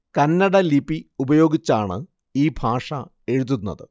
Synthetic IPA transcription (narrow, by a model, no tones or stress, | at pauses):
kɐnːɐɽɐlibiubɐjo̞ːɡit͡ɕːaːɳɨ | iːbʱaːʂɐ | e̞ɻuðunːɐ̰ðɨ